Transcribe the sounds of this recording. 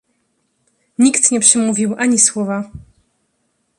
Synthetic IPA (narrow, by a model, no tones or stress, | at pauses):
ɲikt̪ɲɛpʂɛmuvʲiwʔaɲiswɔva